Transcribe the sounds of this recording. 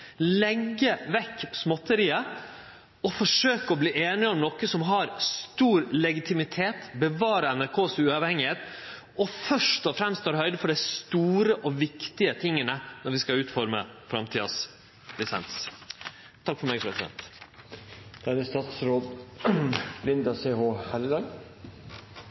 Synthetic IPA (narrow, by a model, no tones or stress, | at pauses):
lɛɡːəʋɛkːsmɔt̪ːəɾiːə | ɔfɔʂøːkəɔbliːʔeːnɪɔmnɔkːəsɔmɦɑɾst̪uːɾlɛɡɪt̪ʰɪmɪt̪ʰeːt̪bəʋɑːɾəɛnæɾkʰoːsʉɑʋhɛŋːɪheːt̪ | ɔfœʂʈɔfɾɛmst̪ʰɑːɾhœʏd̪əfɔɖɛɪst̪uːɾəʔɔʋɪkt̪ɪət̪ʰɪŋːənənɔɾʋɪskɑʉːt̪fɔɾmə̰fɾɑmt̪ʰiːd̪ɑ̰s | lɪsɛ̰ns | t̪ʰɑkfɔɾmeːɡfɾɛsd̪ɛ̰nt̪ | d̪̥æɾəst̪ɑːt̪sɾoːd̪ | lɪnd̪ɑseːhoːhælɪlɑŋ